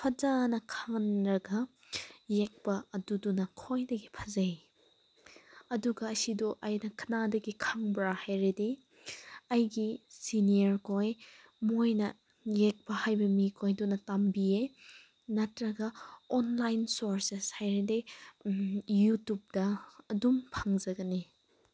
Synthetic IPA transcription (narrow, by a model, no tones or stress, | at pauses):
pʰɐd͡ʒanɐkʰaŋnɾɐɡɐ | jek̚pɐɐdudunɐkʰojdɐɡipʰɐzɐj | ɐduɡɐːsidɔʔɐjnɐkʰɐ̥nadɐɡikʰaŋbɾahajɾide | ɐjɡisiniɐɾkʰoj | mojnɐ | jek̚pɐhajbɐmikʰojdunɐtambie | nɐtɾɐɡɐɔnlajnsoɾseshajɾide | jutup̚dɐːdumpʰaŋzɐɡɐni